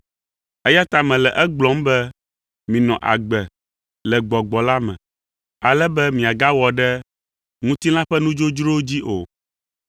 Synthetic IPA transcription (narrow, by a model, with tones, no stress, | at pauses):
ɛ˦ja˦t̪a˨mɛ̃˨lɛ˨ʔɛ˦ɡ͡blɔ˨˦mbɛ˦ | mĩ˨nɔ̃˨ʔa̰˨ɡ͡bɛ˨ | lɛ˨ɡ͡bɔ˨ɡ͡bɔ˨la˦mɛ̰̃˨ | a˨lɛ˦bɛ˦mĩ˨a˨ɡa˦wɔ˨ɖɛ˦ | ŋũ˦t̪i˦lã˦ɸɛ˦nũ˦d͡ʒo˦d͡ʒɾo˦d͡ʑi˦ʔo˨